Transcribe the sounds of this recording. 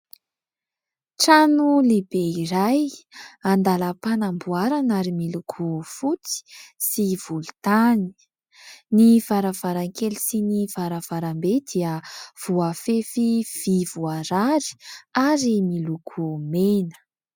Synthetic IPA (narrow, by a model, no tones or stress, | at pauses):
ʈ͡ʂanulebeiɾajand̪aləpanambuaɾanaɾimilukʰufut͡si̥siv̥ulu̥t̪ani̥ | niv̥aɾav̥aɾaŋkelisiniv̥aɾav̥aɾambed̪iəv̥uafefiv̥ivuaɾaɾi̥aɾimilukʰumenə̥